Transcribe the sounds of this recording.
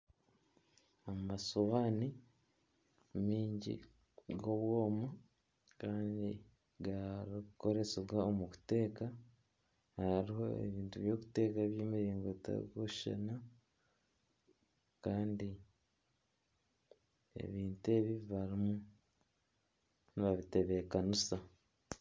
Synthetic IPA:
amasoβani | miːɲɟḭ | ɡoβwoːma | kaːndi | ɡaɾikuko̞ɾe̞seβɡaomuku̥te̞ːka | haɾiɦo̞̰ḛβiːntuβjo̞ːkute̞ːkaβjeːmiɾiːŋɡota̰koʃʃa̰na | kaːndi | e̞̰βiːntue̞βiβiβaɾimu | niβaβite̞βe̞kanusa

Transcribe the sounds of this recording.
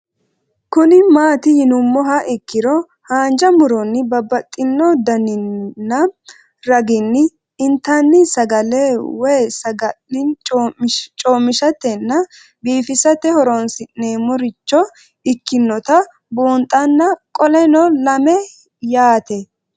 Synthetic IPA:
kʊnɪmaːt̪ɪjɪnʊmːɔɦɐʔɪkːɪɾɔ | haːnd͡ʒɐmʊɾɔnːɪbɐbːɐt̪ʼːɪnːɔd̪ɐnɪnːɐ | ɾɐɡɪnːɪː | nt̪anːɪsɐɡɐlewɛːsɐɡɐlɪ | t͡ʃʼoːmːɪʃɐt̪ːɛnːɐ | biːfɪsɐt̪ːɛhɔɾɔnsɪnːeːmɔɾɪt͡ʃːɔ | ɪkːɪnːɔt̪ɐ | buːnt̪ʼːɐnːɐkʼɔlɛnɔlɐmɛ | jaːt̪ɛ

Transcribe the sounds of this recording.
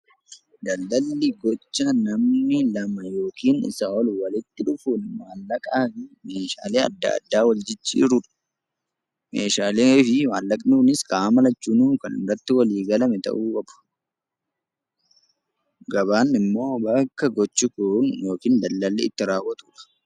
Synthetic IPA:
d̪ɐlːɐlːiɡɔt͡ʃːaːnːɐmnɪlɐmɐjo̞ːkiːnɪ̰sɐɔlwɐlɪt̪ːɪᶑʊfuːnmaːlːɐkʼaːfɪme̞ːʃa̰ːleːɐ̰d̪ːa̰ɐ̰d̪ːaːwɐld͡ʒɪt͡ʃːḭːɾʊᶑɐ̥ | meːʃaːlefɪmaːlːɐkʼnuːnɪskaːmɐlɐt͡ʃːuːnuːkɐnɪ̰rːɐt̪ːɪwɐliːɡɐlɐmɛt̪ɐ̰ʔuːkʼɐb̥ʊ̥ | ɡɐβaːnɪmːo̞ːbɐkːɐɡɔt͡ʃːɪkʊnjo̞ːkiːnd̪ɐlːɐlːiːɪt̪ːɪɾaːwːɐt̪ʊːᶑɐ̥

